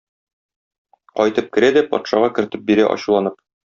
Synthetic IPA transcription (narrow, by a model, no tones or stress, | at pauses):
qɒjt̪ɤp̚kɘ̆ɾæd̪æpɒ̰t̪ʃɑʁɑkɘ̆ɾɘ̆t̪ɘp̚biɾæʔɒ̰ɕulˠɑnɤp̚